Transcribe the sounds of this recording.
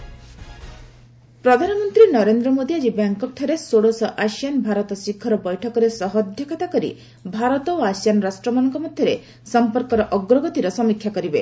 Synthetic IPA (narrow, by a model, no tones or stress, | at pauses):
pɾɔd̪ʱanɔmɔnt̪ɾinɔɾend̪ɾɔmod̪ʱiad͡ʒibaŋkɔk̚ʈʰɔɾesoɽosɔʔaʃijanbʱaɾɔt̪ɔsikʰːɔɾɔbɔjʈʰɔkɔɾesɔɦɔd̪ʱjɔkɔt̪akɔɾḭ | bʱaɾɔt̪ɔoasijanɔɾasʈɾɔmɔnɔŋkɔmɔd̪ʱjɔɾe | sɔmpɔɾkɔɾɔʔɔɡɾɔɡɔt̪iɾɔsɔmikʰːjakɔɾibe